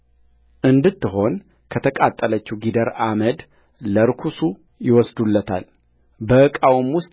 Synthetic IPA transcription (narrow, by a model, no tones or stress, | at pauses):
ʔɨnd̪ɨt̪ːɨɦo̞n | kʰət̪ʰəkʼat̪ʼːələt͡ʃːuɡid̪əɾaməd̪ | ləɾkʰusu | jɪwɔsd̪ulːət̪ʰa̰l | bəɨkʼawmwʊst̪ʼ